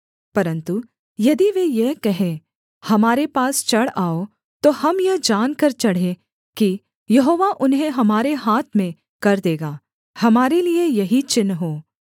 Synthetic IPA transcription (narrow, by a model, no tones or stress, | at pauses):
pɐɾə̃nt̪u | jɐd̪iʋejeɦkɐɦẽ | hɐmaːɾepaːst͡ʃɐɽaːo | t̪oɐmjɐɦd͡ʒaːnkɐɾt͡ʃɐɽ̤ẽ | ki | jɐɦoːʋaʔʊnɦẽɦɐmaːɾeɦaːt̪ʰmẽ | kɐɾd̪eːɡaː | hɐmaːɾeliejɐɦit͡ʃɪnːɦoː